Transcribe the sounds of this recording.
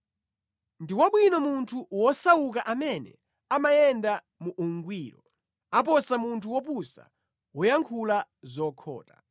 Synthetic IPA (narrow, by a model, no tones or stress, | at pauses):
ndiwaɓwinɔmuntʰuwɔsawuk̬aʔamɛnɛ̰ | amajɛnda | muʔuŋɡwiːɾɔ̰ | apɔsamuntʰuwɔpusa̰ | wɔjaŋkʰulazɔkʰɔ̰ːta